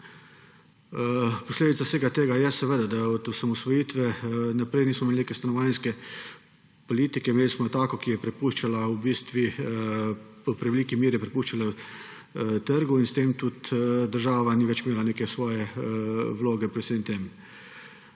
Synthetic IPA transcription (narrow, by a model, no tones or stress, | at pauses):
pɔsleːd̪it̪saseːɡat̪eːɡajɛsɛʋeːd̪ad̪aɔt̪usamɔsʋɔjiːt̪ʋɛnapɾɛjniːsmɔmeːlʲinekɛst̪anɔʋajnskɛ | pɔliːt̪ikɛmeːlismɔt̪aːkɔkijɛpɾɛpuːʃt͡ʃalawbiːst̪ʋi | pɾɛʋɛliːkimiːɾjɛpɾɛpuːʃt͡ʃalaw | t̪əɾɡuinst̪eːmt̪ut̪d̪əɾʒaːʋaniʋɛt͡ʃmeːlaneːkɛsʋɔːjɛ | ʋloːɡɛpɾɛt̪semt̪eːm